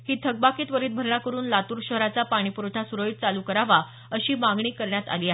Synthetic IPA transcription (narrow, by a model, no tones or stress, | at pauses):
hiːt̪ʰəɡ̚bakiːt̪ʋəɾiːt̪̚bʱəɾɳakəɾuːnlat̪uːɾɕəɦɾat͡sapaɽ̃ipuɾʈʰasuɾəit̪̚t͡saluːkəɾaʋa | əɕiːmaŋɡɳiːkəɾɳjat̪a̰liːaɦe